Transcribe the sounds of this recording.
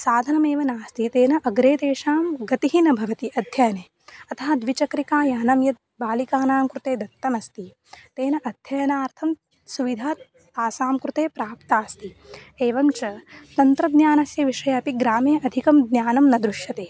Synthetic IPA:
saːd̪ʱɐnɐmeːʋɐnaːst̪it̪eːnɐʔɐɡɾeːd̪eːʂaːmɡɐt̪iɦinɐbʱɐʋɐt̪iɐd̪ʱjɐjɐneː | ɐt̪ʰɐɦɐd̪ʋit͡ʃɐkɾikaːjaːnɐmjɐt̪̚baːlikaːnaːmkɾut̪eːd̪ɐt̪ːɐmɐst̪i | t̪eːnɐʔɐd̪ʱjɐjɐnaːɾt̪ʰɐm | suʋid̪ʱaːt̪ | aːsaːmkɾut̪eːpɾaːpt̪aːst̪ieːʋɐmt͡ʃɐt̪ɐnt̪ɾɐd̪njaːnɐsjɐʋiʂɐjɐːpiɡɾaːmeːʔɐd̪ʱikɐmd̪njaːnɐmnɐd̪ɾuʂjɐt̪eː

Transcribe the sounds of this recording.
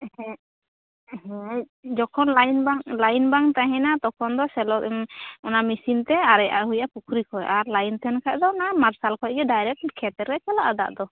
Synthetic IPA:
ɛ̃ | ɛɦɛ̃ | d͡ʒɔkʰɔnlajnbaŋlajnbaŋt̪aɦɛ̃nat̪ɔkʰɔnd̪ɔsɛlɔkɛmɔnamisint̪ɛaɾɛjʔa̰ʔɦujapukʰɾikʰɔjʔaɾlajnt̪ʰɛnkʰajd̪ɔnamaɾsalkʰɔjɡɛɖajɾɛk̚kʰɛt̪ɛɾkɛkalaʔad̪a̰ʔd̪ɔ

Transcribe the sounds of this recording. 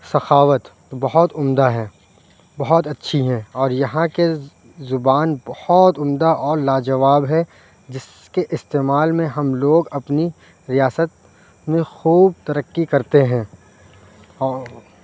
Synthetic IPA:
sɐxaːʋət̪ | bɐɦɔt̪ʊmd̪aɦɛː | bɐɦɔt̪ɐtːʃʰiɦɛ̃ɔːɾjɐɦãke | zʊbaːnbɐhɔt̪ʊmd̪aʔɔːɾlaːd͡ʒɐʋaːbɦɛ | d͡ʒɪs | keʔɪst̪eːmaːlmẽɦɐmloːɡɐpni | ɾijaːsət̪̚ | mẽxuːb̚t̪ɐɾəkːikɐɾt̪eɦɛ̃ː | ɔː

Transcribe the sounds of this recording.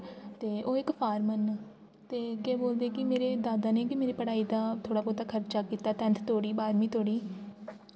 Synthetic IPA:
t̪eːʔoːɪkpʰaːɾmən | t̪eːkeːboːld̪eːkɪmeːɾeːd̪aːd̪aːneːkɪmeːɾiːpəɽaːiːd̪aːt̪ʰoːɽaːpoːt̪aːkʰəɾt͡ʃaːkiːt̪aːt̪ɛ̃nt̪ʰt̪oːɽiːbaːɾmĩːt̪ʰoːɽiː

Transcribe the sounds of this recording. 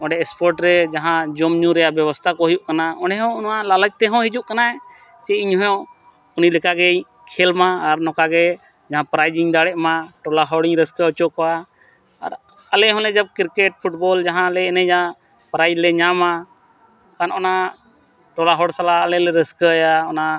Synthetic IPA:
ɔ̃ɖɛɛspɔɾʈɾɛd͡ʒaɦãd͡ʒɔmɲũɾɛjabjɛbɔst̪ʰakɔɦujuʔkanaɔ̃ɖɛɦɔ̃unãlaləd͡ʒ̚t̪ɛɦɔ̃ɦid͡ʒuʔkanaɛ | t͡ʃɛiɲɦɔjɔ̃ | unilɛkaɡɛ | kʰɛlmãːɾnɔ̃kaɡɛ | d͡ʒaɦãpɾajd͡ʒiŋd̪aɽɛʔmãʈɔlaɦɔɽiɲɾəskəɔt͡ʃɔkɔwa | aɾ | alɛɦɔ̃lɛd͡ʒab̚kiɾkɛʈ̚pʰuʈbɔld͡ʒaɦãlɛːnɛd͡ʒaã | pɾajd͡ʒlɛɲamã | kanɔna | ʈɔlaɦɔɽsalaːlɛlɛɾəskəjaɔna

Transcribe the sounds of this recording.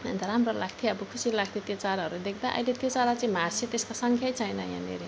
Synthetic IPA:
nt̪aɾamrolaɡ̚t̪ʰjeʌbʌkʰusilaɡ̚t̪ʰjet̪jot͡saɾɦʌɾud̪ek̚ʰd̪aʔʌ̰jlet̪jot͡saɾat͡sʌĩmart͡sʰet̪eskosʌŋkʰjajt͡sʰʌjnʌjã̰nḛɾi

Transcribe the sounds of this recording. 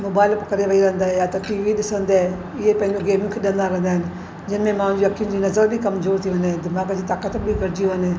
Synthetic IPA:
moːbaːɪlpkɐɾeʋɐiɾɐ̃ɦənd̪aːɦɛjat̪ɐʈiːʋiɗɪsə̃nd̪aɛ | ɪɦepɐ̃ɦɪ̃ɲd͡ʑoɡeːmɪjõkʰeɗə̃nd̪aɾɐ̃ɦnd̪aːɦɪnɪ̆ | d͡ʒɪnmẽmãːʊ̃nd͡ʑiɐkʰːijʊ̃nd͡ʑiːnɐzəɾbʱikɐmzoːɾt̪ʰiʋə̃nd̪ɛ̃d̪ɪmaːɡd͡ʑiːt̪aːkət̪bʱiɡɐɾd͡ʒioənẽː

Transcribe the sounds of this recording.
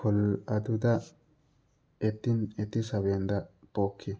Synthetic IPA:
kɔlɐd̪ʊd̪ɐ | ɛt̪ːɪnɛt̪ːɪsɐβeːnd̪ɐb̥oːkʰːɪ

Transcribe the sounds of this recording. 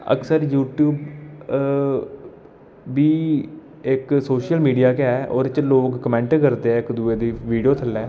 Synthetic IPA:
ə̰ksəɾjuːʈjuːb | biː | ɪksoːʃəlmiːɖijaːkeɛʔɔːɾt͡ʃloːɡːəmɛ̃ːɳʈkəɾt̪eːɛːɪkd̪ueːd̪iːʋiːɖijoːt̪ʰəlɛː

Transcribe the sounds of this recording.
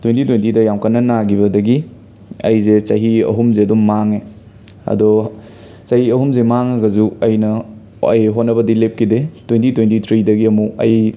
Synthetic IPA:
twentitwentidɐjamkɐnːɐnaɡibɐdɐɡi | ɐ̰jzet͡ʃɐɦiɐ̰ɦumzeɐdumːaŋe | ɐ̰dɔ | t͡ʃɐhiɐɦumzemaŋɐɡɐzuɐjnɐ | ɐ̰jɦotnːɐbɐdilep̚kidetwentitwentit̪ʰɾidɐɡiɐmuɐ̰j

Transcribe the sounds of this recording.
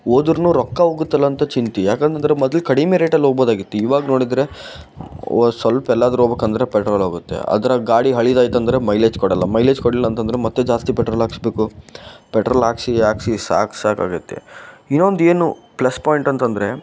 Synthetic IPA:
oːd̪uɾnuːɾɔkːɐoːɡut̪ːɐlːɐːnt̪ɐt͡ʃint̪ijaːkent̪ɐnd̪ɾemɔd̪ɐlkɐɽimeɾeːʈɐlːɦoːɡ̚boːd̪aːɡit̪ːuiːʋaːɡɐno̞ːɽid̪ɾe̞ | sʋɐlpɛlːaːd̪ɐɾuoːbeːkɐnd̪ɐɾe̞pɛʈɾoɐːlɦoːɡut̪ːe̞̰ɐ̰d̪ɐɾɐɡaːɽiɦɐɭid̪aːjit̪ɐnd̪ɾe̞mɐjleːd͡ʒkɔɽɐlːɐmɐjleːd͡ʒkɔɽilːɐːnt̪ɐnd̪ɐɾemɐt̪ːed͡ʒaːst̪ipɛʈɾolaːksbeːkupeʈɾoːlaːksiaːksisa̰ːksaːka̰ːɡɐt̪ːḛinːond̪eːnuplɐspaːjiɳʈɐnt̪ɐnd̪ɐɾe̞

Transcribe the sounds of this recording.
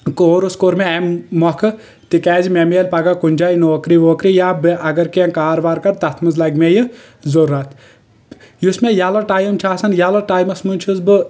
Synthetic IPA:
koːɾuskoːɾmeɛmmɔkʰɨ | t̪ikɛːzimemeːlpɐɡakunʲd͡ʒaːjnoːkɾiːʋoːkɾijaːbʔɐɡɐɾkiɛ̃kaːɾʋaːɾkɐɾt̪ɐt̪ʰmɨzlɐɡmejɨ | zɐɾuɐt̪ʰ | jusmejalɐʈaːjmt͡ʃʰaːsɐnjalɐʈaːjmɐsmunʲt͡ʃʰuzbɨ

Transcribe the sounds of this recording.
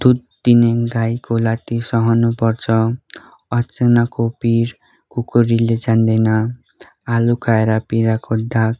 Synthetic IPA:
d̪̥ud̪̚d̪ineɡajkolat̪isʌɦʌnupʌrt͡sʰʌ | ʌt͡senakopiɾ | kukoɾiled͡zand̪ʌjna | alukʰaeɾapiɾakod̪ʱak

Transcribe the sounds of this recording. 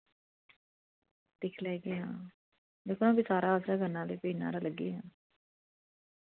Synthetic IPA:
d̪ɪkʰlɛːɡeːɦãː | d̪eːkʰonãːbiːsaːɾaːəsaːɡənːãːleːpiːna̰ːɾaːləɡːḛːɦãː

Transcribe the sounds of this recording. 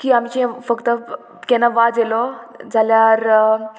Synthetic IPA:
kiːamt͡ɕĩfəkt̪ə | kɛnːaʋad͡zelɔd͡zʱaljaɾ

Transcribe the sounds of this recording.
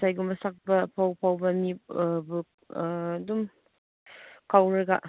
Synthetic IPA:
sajɡumbɐsak̚bɐpʰawpʰawbɐmibu | dum | kawɾɐɡaʔ

